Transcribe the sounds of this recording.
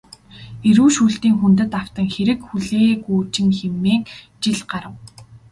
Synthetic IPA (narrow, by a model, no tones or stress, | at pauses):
eɾuːʃuːɬt̪iːŋxunt̪ɘ̆t̪aw̥t̪ə̆ŋxeɾɘ̆kxuɮeːkuːt͡ɕɪ̆ŋxemːeːŋ | t͡ɕiɮɢaɾə̆w